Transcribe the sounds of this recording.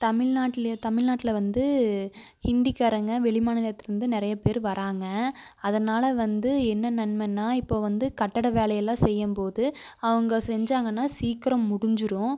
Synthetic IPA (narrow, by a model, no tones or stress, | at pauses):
t̪ɐmɪɻnaːʈːɪlɐt̪ɐmɪɭnaːʈːɪlɐʋɐnd̪ɯ | hɪnd̪ikɐɾɐŋɡɐʋɛɭɪmaːnɐlɐt̪ːɪɾɯnd̪ɯnɪɾɐjɐpeːɾʋɐɾʔaːŋɡɐɐðɐnaːlɐʋɐnd̪ɯɛnːɐnɐnmɛnːaːɪpːoːʋɐnd̪ɯkɐʈːɐɽɐʋeːlɐjɐlːãːsɛjːɐmpoːðɯɐʋɐŋɡɐsɛɲd͡ʒaːŋɡɐnːaːsiːkɪɾɐmːʊɽɪɲd͡ʒɪɾʊ̃